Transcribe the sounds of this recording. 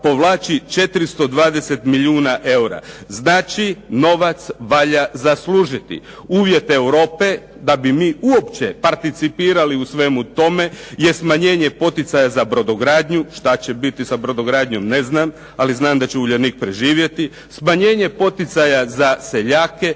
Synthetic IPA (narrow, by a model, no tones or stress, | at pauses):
po̞ʋlˠaːt͡ɕit͡ʃe̞t̪ɾist̪o̞d̪ʋaːd̪e̞set̪miʎiuːnaʔe̞uɾa̰znaːt͡ʃino̞ʋat̪sʋaːʎazaslˠuːʒit̪ḭ | uːʋje̞t̪ewɾo̞ːpe̞ | d̪abimiːuo̞pt͡ɕe̞paɾt̪it̪sipiːɾaliusʋemut̪o̞me̞jesmaɲe̞ːɲepo̞t̪it̪sajazabɾo̞d̪oɡɾaːd̪ɲuʃt̪at͡ɕebit̪isabɾod̪o̞ɡɾaːd̪ɲo̞mne̞znaːm | aliznaːmd̪at͡ɕeuʎenik̚pɾeʒiːʋje̞t̪i | smaɲe̞ːɲe̞po̞t̪it̪sajazase̞ʎaːke̞